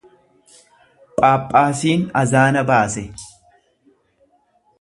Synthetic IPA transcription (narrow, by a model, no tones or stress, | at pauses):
pʼaːpʼːaːsiːnɐzaːnɐbaːsɛ